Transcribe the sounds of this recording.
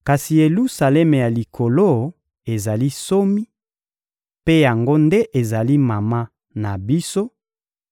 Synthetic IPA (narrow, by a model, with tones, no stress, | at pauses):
ka˨si˨je˨lu˦sa˨lɛ˦me˨ja˨li˨kʰo˨lo˦ | e˨za˨li˦so˦mi˦ | pe˦ja˨ŋɡo˦nde˦ʔe˨za˨li˦ma˨ma˦ | na˨bi˦so˦